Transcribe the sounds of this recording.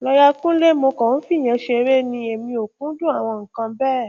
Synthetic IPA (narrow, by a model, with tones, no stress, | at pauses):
lɔ˧ja˧kũ˦le˦mo˧kɔ˨ũ˦fi˦˨j̃ɛ̃˨˧˦ʃe˧ɾe˦nĩ˧e˨mĩ˧o˨kũ˦dũ˦a˨w̃ɔ̃˧ŋ̩˨kã˧bɛː˦˨